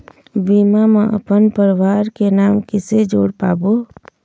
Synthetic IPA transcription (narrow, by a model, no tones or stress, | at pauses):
biːmamẽʔə̰pənpəɾʋaːɾkenaːmkɪsed͡ʒoːɽpaːboː